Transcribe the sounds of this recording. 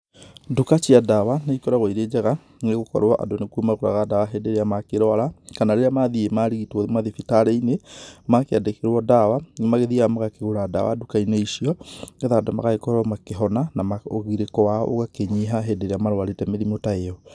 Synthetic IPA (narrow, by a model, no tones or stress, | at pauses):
dukat͡ʃiadawanaikɔɾaɣoiɾed͡ʒaɣa | ŋeɣokɔ̰ɾwaʔa̰donekuomaɣoɾa̰ɣadawaɦɛdeɾeamakeɾɔaɾakanaɾeɾeamaðiemaɾiɣitwoðemaðifitaɾeinemakeadekeɾwɔdawaŋemaɣeðiamaɣakeɣoɾadawa̰dukainɔiʃiɔɡɛðaːdoma̰ɣaɣekɔɾɔmakeɦɔnanamaoɣiɾekɔwaʔo̰ɣakeɲeɦaɦɛdeɾeamaɾoaɾetɛmeðimotaeɔ